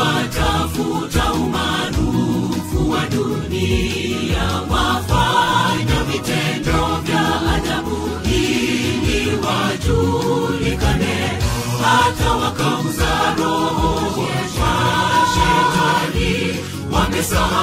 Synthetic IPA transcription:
at͡ʃafut͡ʃaumanufuwaɗu | nijawafaɲavitɛndɔvjaaðaɓu | ɦiniwad͡ʒulikanɛ | hatawakauzaɾɔɔwɛaʃad͡ʒali | wamɛsa

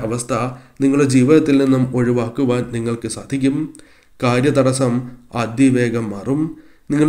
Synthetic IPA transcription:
ɐʋɐst̪ʰɐniŋːɐɭuɽed͡ʑiːʋiðɐt̪ːilninːumo̞ɻiʋaːkːuʋaːnniŋːɐɭkɨsaːd̪ʱikʲːum | kaːɾjɐt̪ɐɽɐsɐmaːd̪jiʋe̞ːɡɐmːɐːrum | niŋːɐ

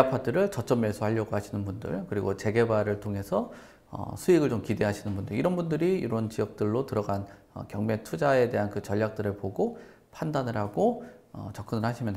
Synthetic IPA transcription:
apʰadɯɾɯɭt͡ɕʌt͡ɕ͈ʌmːesʰuɦaʎːʌɡoɦaɕʰinɯnbundɯ̰ɭkɯɾiɡot͡ɕe̞ɡe̞baɾɯɭtʰoŋɦe̞sʰʌ | ʌ̰sʰuiɡɯɭt͡ɕomkide̞ɦaɕʰinɯnbundɯiɾʌnbundɯɾiiɾʌnt͡ɕiʌk̚t͈ɯɭːotɯɾʌɡan | ʌ̰kjʌŋme̞tʰud͡ʑae̞de̞ɦankɯt͡ɕʌʎːak̚t͈ɯɾɯɭpoɡo | pʰandanɯɭɦaɡoʌ̰t͡ɕʌk͈ɯnɯɭhaɕʰimjʌn

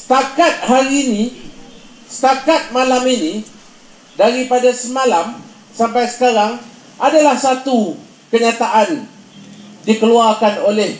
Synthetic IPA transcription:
sə̥t̪akat̪̚haɾini | sə̥t̪akat̪̚malaminĩ | daɾipadasəmãlam | sampajsə̥kaɾaŋ | ʔadalahsat̪u | kəɲat̪aʔan | dikəluarkanolɛh

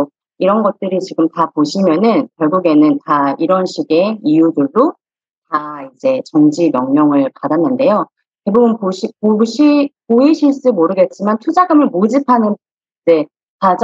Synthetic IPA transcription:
iɾʌnɡʌt̚t͈ɯɾit͡ɕiɡɯmtapoɕʰimjʌnɯnkjʌɭɡuɡe̞nɯntaiɾʌnɕʰiɡe̞ijudɯɭːo | taid͡ʑe̞t͡ɕʌŋd͡ʑimjʌŋɲʌŋɯɭpadanːɯnde̞jo | te̞bubɯnpoɕʰipoɕʰipoiɕʰiɭs͈umoɾɯɡe̞t̚t͡ɕ͈imantʰud͡ʑaɡɯmɯɭmod͡ʑipʰanɯn | id͡ʑe̞ | pad͡ʑ

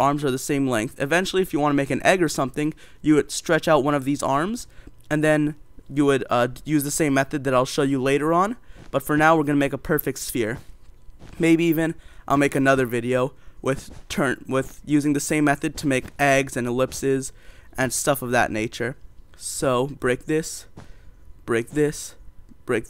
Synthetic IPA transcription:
ʔɑɹmzə˞ðəsẽɪ̃mlɛ̃ŋk̚θɨvɛ̃nt͡ʃl̩ˠiɨfjɨwɑ̃ñəmeɪkɨ̃nʔɛɡə˞sʌ̃mθɪ̃ŋ | jɨwɨd̥stɹ̥ɛt͡ʃaʊt̚wʌ̃ñʌvðizɑ̰ɹmz̥ | ɨ̃nðɨ̃njɨwɨdʌjʉzðɨsẽɪ̃mːɛθɨd̪̚ðɨɾaɪlˠʃoʊjɨleɪɾə˞ə̃nb̥ʌtfə˞naʊwəɹɡʌñəmeɪkəpʰɜ˞fɪk̚tsfɪɹ | meɪbiivɨ̃nʔaɪlˠmeɪkɨnʌðə˞vɪɾioʊwʔɪð̥tʰɜ̃˞nwɪðjʉzɪ̃ŋðɨsẽɪ̃mːɛθɨd̚tʰɨmeɪkɛɡzɨ̃nəlɪpsɪzʔɨ̃nstʌfʌvðɨ̰ʔⁿneɪt͡ʃə˞soʊb̥ɹeɪk̚ðɪs | b̥ɹeɪk̚ðɪsb̥ɹeɪk̚

